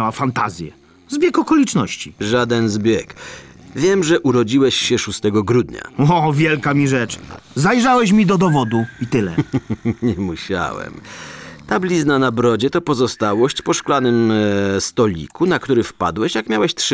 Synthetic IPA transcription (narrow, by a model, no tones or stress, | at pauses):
awafant̪azʲjɛ̰ | zbʲjɛkɔkɔlʲit͡ʂnɔɕt͡ɕi̥ʐad̪ɛnzbʲjɛkvʲjɛmʐɛʔuɾɔd͡ʑiwɛɕɕɛʂust̪ɛɡɔɡɾud̪ɲa̰ɔvʲjɛlkamʲiʐɛt͡ʂzajʐawɛɕ̬mʲid̪ɔd̪ɔvɔd̪uit̪ɘlɛ̰ɲɛmuɕa̰wɛ̰mt̪ablʲiznanabɾɔd͡ʑɛt̪ɔpɔzɔst̪awɔɕt͡ɕpɔʂklanɘmst̪ɔlʲḭkunakt̪uɾɘfpa̰d̪wɛɕjakmʲjawɛɕt̪ʂ